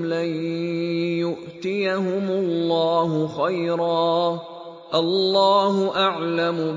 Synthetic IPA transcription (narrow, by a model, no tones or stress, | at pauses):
lan | jʊʔt̪ɪjaɦʊmʊlːɑːhʊxajɾɑː | ʔɑlːɑːɦʊʔaʕlamʊ